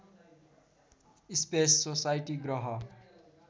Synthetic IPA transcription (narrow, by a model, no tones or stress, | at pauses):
ispesːosajʈiɡrʌɦʌ